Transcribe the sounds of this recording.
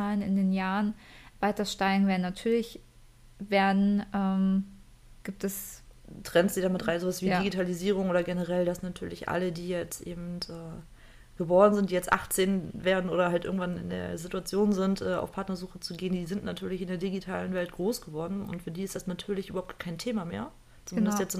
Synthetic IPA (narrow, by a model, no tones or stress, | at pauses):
aːlənɪ̰ndeːnjaːʁənv̥aɪtɐʃtaɪɡŋ̩veːɐdn̩natʰyːɐlɪç | veːɐdn̩ʔɛːm | ɡ̥iːp̚tɛstʁ̥ɛnsd̥iːdamɪtʁaɪnzoːvasv̥iːdiɡitʰaliziːʁ̞ʊŋoːdɐɡɛnəʁɛldasnatʰyːɐlɪçʔa̰lədiːjɛt͡stʔeːbm̩tʔɛː | ɡ̥əbɔːʁən̩zɪnt̚d̥iːjɛt͡stʔa̰χt͡seːnveːɐdn̩ʔoːɾɐhaltʔɪɐɡŋ̩tv̥anɪ̰ndḛːɐzituat͡sjoːnzɪntʔɛːa̰ʊfpʰaɐtnɐzuːxət͡suɡeːndiːzɪntnatʰyːɐlɪçɪndeːɐdiɡitʰaːlənvɛlt̚ɡ̥ʁoːsɡ̥əvɔɐdn̩ʊ̰ntfyːɐdiːɪstd̥asnatʰyːɐlɪçʔybɐhʊptɡ̥aɐkʰaɪntʰeːmamḛːɐ | t͡sumɪndəstjɛt͡s